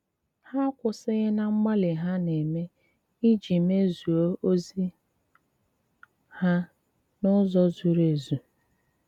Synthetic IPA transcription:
ha˦kʷʊ˨sɪ˦ɣɪ˦na˦ŋ͡m̩˦ɡ͡ba˦lɪ˨ɦa˦ne˨me˦ | i˦d͡ʒi˨me˦zu˨o˦o˦zi˦ | ha˦ | nʊ˦zɔ˦zu˨ɾe˨zu˨

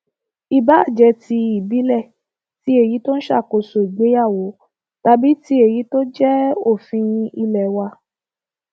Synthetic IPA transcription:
i˨ba˨˦˨d͡ʒɛ˧ti˧i˦˨bi˨˦lɛ˦˨ | ti˨˦e˦˨ji˨˦to˦n̩˦ʃa̰˦˨ko˧˨so˨i˨ɡ͡be˨˦ja˦˨wo˨˦ | ta˧bi˦ti˦e˦˨ji˨˦to˦d͡ʒɛ˦o˦˨fĩ˧i˧lɛ˨wa˧

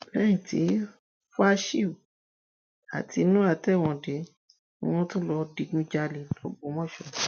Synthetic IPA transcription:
lɛ̃˦ĩ˨tḭ˨˦ | fa˦ʃi˦˨u˨ | a̰˨tʰi˧˦nũ˦a˦˨tɛ˦˨w̃ɔ̃˧de˨˦ | w̃ɔ̃˦tõ˦lɔ˧di˧nũ˦d͡ʒa˧li˨lo˦ɡ͡bo˧˦mɔ̃˦ʃɔ˨

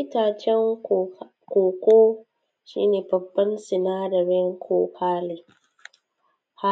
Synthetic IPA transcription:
ɪ˦taː˨t͡ʃɛ˦ŋ | kʷoː˨kʷoː˦ | ʃḭː˦neː˨bɐ˨bːɐ˦nsɪ˨naː˦dɐ˨ɾɪ˦ŋkʰoː˦kʰaː˦le˨ | ha˦

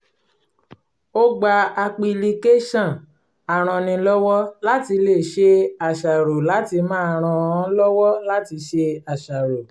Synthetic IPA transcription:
o˦ɡ͡ba˧a˧k͡pi˧li˧ke˦ʃã˦˨ | a˨ɾ̃ã˧nĩ˧lɔ˦wɔ˦la˦ti˧le˦˨ʃe˧a˨ʃa˨ɾo˨la˨˦ti˧mãː˦a˨ɾ̃ã˧ã˧˦lɔ˦wɔ˦la˦ti˧˦ʃe˧a˨ʃa˨ɾo˨

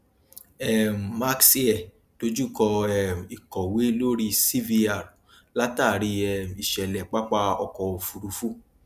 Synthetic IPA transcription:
ɛ˦˨m̩˨ma˦ksi˦ɛ˨ | to˨˦d͡ʒu˦˨kɔ˧ɛ˧˨m˨i˨kɔ˨we˨˦lo˦ɾi˦si˦vi˧a˨ | la˦ta˦˨ɾi˧ɛ˦˨m˨i˨ʃɛ˨lɛ˨k͡pa˦k͡pa˧ɔ̰˧kɔ˨o˨fu˧ɾu˧˦fu˦˨

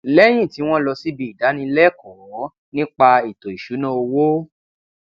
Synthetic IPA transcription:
lɛ˦j̃ĩ˦˨ti˨˦w̃ɔ̃˦lɔ˧si˦bi˨i˨da˨˦nĩ˧˦lɛ˦kɔ˨˦ | nĩ˦k͡pa˧i˨to˨i˨ʃu˨˦nã˦o˧wo˦

